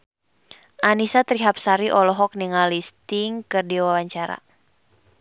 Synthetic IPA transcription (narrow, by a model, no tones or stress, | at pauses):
ʔanisat̪ɾiɦap̚saɾiʔɔlɔɦɔk̚niŋalist̪iŋkɨrdiwawaɲt͡ʃaɾa̰